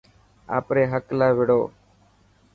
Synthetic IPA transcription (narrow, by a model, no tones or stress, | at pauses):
a̰ːpɾeːɦəklaːʋɪɽoː